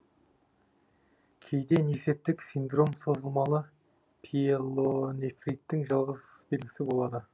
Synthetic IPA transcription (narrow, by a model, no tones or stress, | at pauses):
kʲʰe̞jd̪e̞nese̞p̚t̪ɪksind̪ro̞mso̞zəlˠmɑlˠə | pʰilˠonefrit̪ːɪŋʒɑlˠʁəz | belɡʲɪsɪbo̞lˠɑd̪ə